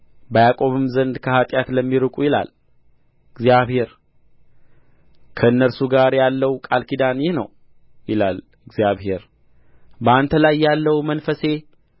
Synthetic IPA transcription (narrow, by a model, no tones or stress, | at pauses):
bəjakʼo̞βɨmzənd̪kʰəhat̪ʼjat̪ləmːiɾɨkʼujɪla̰l | ɨɡzjaβhe̞ɾ | kʰəɨnːəɾsuɡaɾjalːəwkʼalkid̪anjɪnəw | jɪlal | ɨɡzijaβhe̞ɾ | bəant̪ʰəlajːalːəwmənfəse̞